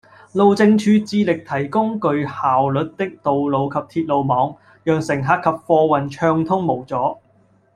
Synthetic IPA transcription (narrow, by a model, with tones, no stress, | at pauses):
lo˨wt͡sɪ˧ŋt͡ʃʰyː˨˧t͡siː˧lɪ˨k̚t̪ʰɐ˨˩jkʊ˥ŋkɵ˧ɥhaː˨wlɵ˨t̚t̪ɪ˥k̚t̪o˨wlo˨˧wkʰɐ˨p̚t̪ʰiː˧t̚lo˨˧wmɔː˨˧ŋ | jœː˨ŋsɪ˨˩ŋɦaː˧tkʰɐ˨p̚fɔː˧wɐ˨˩nt͡ʃʰœː˧ŋt̪ʰʊ˥ŋmo˨˩wt͡sɔː˨˥